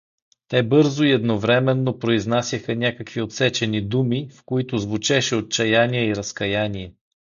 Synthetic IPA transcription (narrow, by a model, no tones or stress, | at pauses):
t̪ɛbɤɾzʊiɛd̪novɾɛmɛnːopɾoiznasʲjəxənʲakəkviot̪sɛt͡ʃɛnid̪umifkoit̪ʊzvʊt͡ʃɛʃɛot̪̚t͡ʃɐjanʲiəiɾɐskɐjanʲiɛ